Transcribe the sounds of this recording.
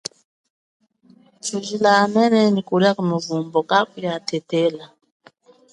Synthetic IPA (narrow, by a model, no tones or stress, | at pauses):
t͡ʃuʒilanɛnɛnikuliakumuvumbɔkakujatʰɛtɛla